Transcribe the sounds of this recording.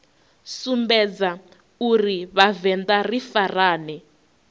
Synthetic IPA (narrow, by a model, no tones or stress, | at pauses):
sumbɛd͡za | uriβavɛndarifaraːnɛ